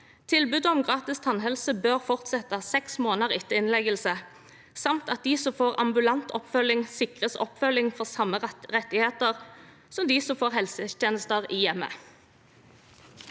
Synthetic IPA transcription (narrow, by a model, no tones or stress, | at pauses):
t̪ʰɪlbʉd̪ɔmɡʁɑːt̪ɪst̪ʰɑnɦɛlsəbøːʁfɔʁt̪sɛt̪əsɛksmoːnəʁɪt̪ːəɪnlɛɡəlsə | sɑmt̪ɑt̪̚d̪iːsɔfoːʁɑ̰mbʉlɑnt̪ʰɔpfœlːɪŋsɪkʁəsɔ̰pfœlɪŋfɔʁsɑmːəʁɛt̪ːɪheːt̪əʁ | sɔmd̪iːsɔfoːʁhɛlsət̪jeːnəst̪əʁɪːjɛmːə̰